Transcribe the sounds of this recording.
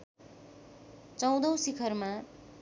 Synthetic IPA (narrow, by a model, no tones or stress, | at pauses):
t͡sʌw̃d̪ʌw̃sikʰʌrma